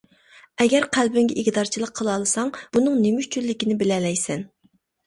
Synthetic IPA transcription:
ɛɡʲɛɾqʰælbɪŋɡʲɛʔikʲd̪ɑɾt͡ʃʰilˠəqʰːəlˠɑlˠɨsɑŋb̥unɨŋnemyʃt͡ʃʰylːɪkʲinɪbɪlɛlɛjsɛn

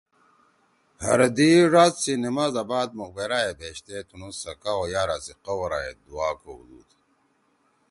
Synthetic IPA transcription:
hɐ̰ɾɐd̪iɾaːt̪sinimazabaːd̪̚muk̚beɾaːebʱeːɕt̪et̪ʰunusɐkaojaːɾasiqowɐɾaḛd̪uaːkoṵd̪ṵːd̪

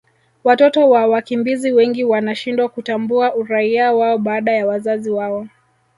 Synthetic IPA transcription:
watɔtɔwawakimbiziwɛŋɡiwanaʃindwakutambuaʔuɾaiawaɔɓaːɗajawazaziwaɔ

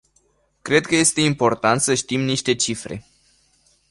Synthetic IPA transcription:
kɾe̞d̪̚kəje̞st̪e̞impo̞rt̪ant̪səʃt̪imniʃt̪e̞t͡ʃifɾe̞̰

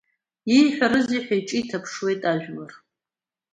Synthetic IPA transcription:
jijħʷᶣaɾɨziħʷᶣajʈ͡ʂʼiːtʰapʰʂwe̞jtʼaʒᶣmɨr

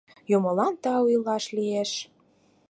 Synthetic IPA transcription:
jomɤ̆lɑnt̪ɑujlɑʃlieʃ

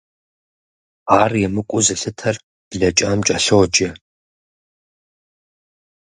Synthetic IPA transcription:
aːrjɛmɨkʷʼʊzɨɬɨtʰɐr | b̥ɮɐt͡ʃʼaːmt͡ʃʼɐɬɨʁd͡ʒʼɐ

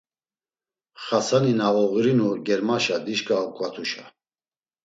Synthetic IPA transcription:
χasaninaɔɣiɾinuɡɛɾmaʃad̪iʃkʼakʼwat̪ʰuʃa

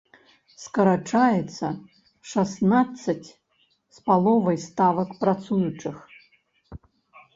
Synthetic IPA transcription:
skɐɾat͡ʂajɛt̪sɐ | ʂasnat̪sːɐt͡sʲ | spalˠɔvɐjst̪avɐkpɾat̪sujut͡ʂɨx

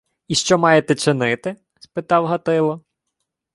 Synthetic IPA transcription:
iʃt͡ʃɔmɑjet̪ɛt͡ʃɪnɪt̪ɪ | spɪt̪ɑwɦɐt̪ɪlˠɔ

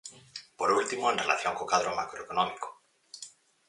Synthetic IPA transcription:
poɾult̪imoenrela̰θjoŋkokaðɾoma̰kɾoekonõmiko̥

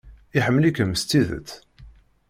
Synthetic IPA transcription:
iħəmːəlikəməst̪iðə̰t͡s̪

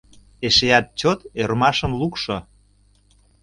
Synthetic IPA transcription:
eʃeɑt̪̚t͡ɕot̪ermɑʃə̆mlukʃo

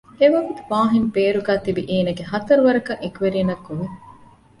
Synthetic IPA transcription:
eʋɐɡut̪uʋaːɦimpeːɾuɡæːt̪ibiʔiːnɐɡeɦɐt̪ɐɾuʋɐɾɐkɐŋʔekʋeɾiːnɐkːuʋe

